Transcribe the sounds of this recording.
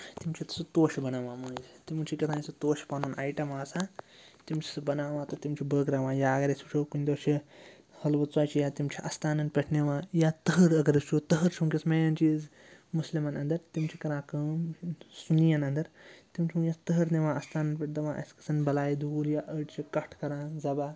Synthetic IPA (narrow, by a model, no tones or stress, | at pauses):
t̪imt͡ʃʰit̪ɐ̥sut̪oːʃibɐnaːʋãːmɐːnd͡ʒt̪imut͡ʃʰikɐt̪ʰãːnisɨt̪oːʃpaːnoːna̰ːjʈɐmaːsãːt̪imt͡ʃʰi̥sɨbɐnaːʋãːt̪ɐt̪imt͡ʃʰibəːɡɾaːʋãːjaːɡɐɾɐst͡ʃʰoːkunʲd̪oːt͡ʃʰi | hɐlbɐt͡saːt͡ʃʰijaːt̪imt͡ʃʰiʔɐst̪aːnɐnpʲeʈʰneʋãːjaːt̪ɐɦəɾɐɡɐɾɨst͡ʃʰot̪ɐɦɐɾt͡ʃʰumkʲismejɐnt͡ʃiːz | muslimɐnɐnd̪ɐɾt̪imt͡ʃʰikɐɾãːkəmsunijɐnɐnd̪ɐɾt̪imt͡ʃʰimujat̪ɐɦəɾneʋãːɐst̪aːnɐnpʲeʈ̚d̪ɐʋãːʔɐ̰sʲkɐ̥sɐnbɐlaːjid̪uːljaʔəʈt͡ʃʰikɐʈʰkɐɾãːzɐbaː